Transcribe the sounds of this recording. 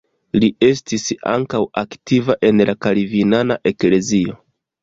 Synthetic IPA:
lie̞stisa̰ŋkawaktivaʔe̞nlakaɾivinanaʔe̞kle̞zio̞

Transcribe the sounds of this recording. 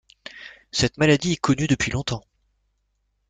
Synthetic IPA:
sɛt̪malad̪iɛkɔnyd̪əpɥilɔ̃t̪ɑ̃

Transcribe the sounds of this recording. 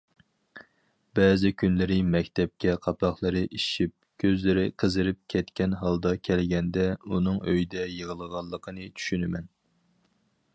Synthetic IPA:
bɛːzɪkʲʰynlɪɾɪmɛkʲt̪ʰɛp̚kʲɛqʰɑpʰɑχlˠəɾɨʔiʃip̚kʲʰøzlɪɾɪqʰəzɨɾɪp̚kʲʰɛt̪kʲɛnɦɑlˠd̪ɑkʲʰɛlɡʲɛnd̪ɛunɨŋøjd̪ɛjəʁəlˠəʁɑlˠːəqʰənɨt͡ʃʰy̥ʃynɪmɛn

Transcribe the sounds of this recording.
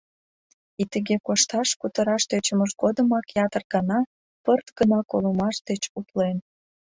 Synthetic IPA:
it̪əɣekoʃt̪ɑʃkut̪əɾɑʃd̪et͡ɕəməʃɡod̪əmɑkjɑt̪ərɡɑnɑ | pərt̪ɡənɑkolumɑʃd̪et͡ɕuplen

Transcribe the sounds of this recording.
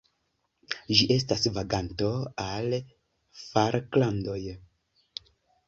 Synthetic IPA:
d͡ʒiʔe̞s̬tasvaɡantoal | faɾklando̞j

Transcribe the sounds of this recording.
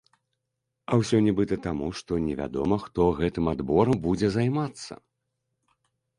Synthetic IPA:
ɐwsʲɔnʲɛbɨt̪ɐt̪amuʂt̪ɔnʲɛvʲa̰d̪ɔ̰mɐxt̪ɔɣɛt̪ɨmad̪bɔɾɐmbud͡zʲɛzajmat̪sːɐ̰

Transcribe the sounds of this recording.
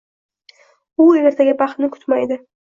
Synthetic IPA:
ʊeeɾt̪ʰaɡʲɪbaχt̪nɪkʰʊ̥t̪majd̪ɪ

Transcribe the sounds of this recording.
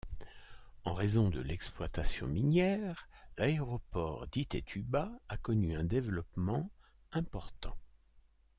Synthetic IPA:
ɑ̃ʁezɔ̃d̪əlɛksplwat̪asjɔ̰̃minjɛʁlaeʁɔpɔʁd̪it̪ḛt̪ʰybaːkɔnyɛ̃d̪evlɔpmɑ̃ | ɛ̃pɔʁt̪ɑ̰̃

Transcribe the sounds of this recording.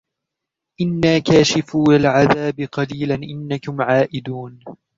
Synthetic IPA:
ʔɪnːaːkaːʃɪfuːlɪlʕaðaːbɪqɑliːlanʔɪnːakʊmʕaːʔɪd̪uːn

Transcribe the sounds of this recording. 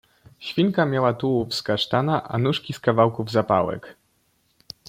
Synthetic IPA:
ɕfʲiŋkamʲjawat̪uwufskaʂt̪anaʔa̰nuʂkʲiskavawkuvzapa̰wɛ̰k

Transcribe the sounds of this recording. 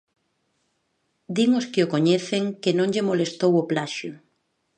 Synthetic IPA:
d̪iŋoskeokoɲɛθeŋkenõŋʎemolest̪owoplaʃjʊ

